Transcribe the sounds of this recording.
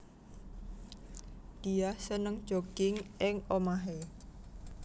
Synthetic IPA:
d̪̥i̤ahsənəŋd̥ʒ̥okɪŋɪŋomaɦe

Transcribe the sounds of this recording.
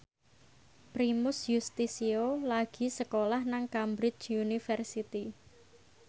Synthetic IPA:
pɾimʊsjust̪isiolaɡ̥i̤səkolahnaŋkambɾɪt͡ʃunifɛrsit̪i

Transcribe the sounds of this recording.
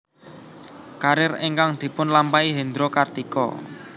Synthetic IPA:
kaɾɪreŋkaŋd̪̥i̤pʊnlampaiɦend̪ɾokart̪ikɔ̰

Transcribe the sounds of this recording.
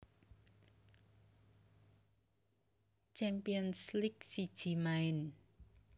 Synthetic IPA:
t͡ʃɛmpiɔnsliksid̥ʒ̥i̤maɪn

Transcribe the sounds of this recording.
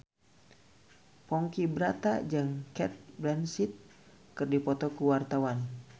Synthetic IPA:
pɔŋkibɾat̪a̰d͡ʒɨŋkɛt̪̚bɾɛnsit̪̚ | kɨrdipɔt̪ɔkuwart̪awan

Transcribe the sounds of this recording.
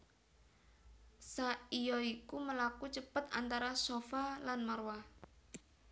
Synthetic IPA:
saijɔikuməlakut͡ʃəpət̪a̰nt̪aɾasofalanmərwa

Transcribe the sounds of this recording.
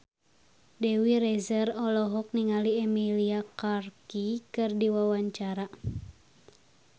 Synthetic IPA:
dɛwiɾɛzərɔlɔɦɔk̚niŋaliɛmiliakarkikɨrdiwawaɲt͡ʃaɾa

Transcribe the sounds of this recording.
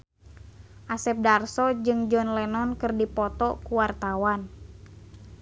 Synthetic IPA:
ʔasɛp̚darsɔd͡ʒɨŋd͡ʒɔnlɛnɔnkɨrdipɔt̪ɔkuwart̪awan

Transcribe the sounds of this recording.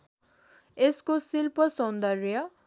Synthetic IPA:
eskosilpʌsʌ̃nd̪ʌrjʌ

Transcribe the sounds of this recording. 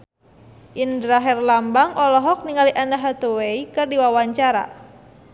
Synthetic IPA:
ʔindɾaɦɛrlambaŋʔɔlɔɦɔk̚niŋaliʔanaɦat̪uweikɨrdiwawaɲt͡ʃaɾa̰

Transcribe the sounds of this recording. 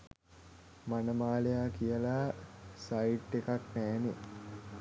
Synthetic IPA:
manəmaːlejakijəlasaiʈːekaknæːne

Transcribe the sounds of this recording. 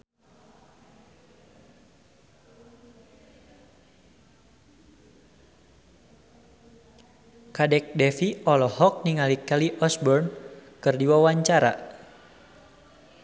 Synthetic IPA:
kadɛk̚dɛfiʔɔlɔhɔk̚niŋalikaliʔɔsbɔrnkɨrdiwawaɲt͡ʃaɾa̰

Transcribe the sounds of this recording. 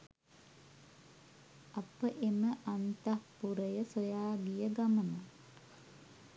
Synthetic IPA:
apəʔeməʔant̪apːuɾəjəsojaːɡijəɡaməna

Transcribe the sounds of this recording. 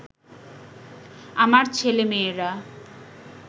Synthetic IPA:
amaɾt͡ɕʰelemeeɾa

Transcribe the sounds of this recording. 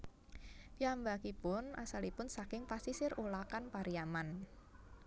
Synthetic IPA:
piambakipʊna̰salipʊnsakɪŋpasisɪrolakanpaɾiaman

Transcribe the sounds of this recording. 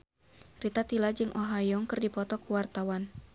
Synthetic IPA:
rit̪at̪ilad͡ʒɨŋʔoɦajɔŋkɨrdipɔt̪ɔkuwart̪awan

